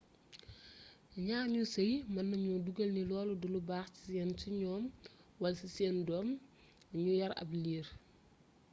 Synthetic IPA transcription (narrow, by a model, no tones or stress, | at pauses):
ɲaːɲusɐjmɐnːɐɲuduɡɐlnilɔːludulubaːxci̥sɛːnsiɲɔːmwɐlsisɛːndɔːm | ɲujɐɾɐ̰bliːr